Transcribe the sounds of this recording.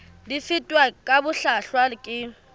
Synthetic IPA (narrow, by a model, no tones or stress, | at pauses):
lɪfɪtʼwakʼabʊɬaɬwakʼɪ